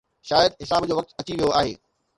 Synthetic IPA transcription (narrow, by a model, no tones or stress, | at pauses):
ʃaːjəd̪ɦɪsaːbd͡ʑoːʋɐk̚t̪ɐt͡ɕiʋijoʔaːɦḛː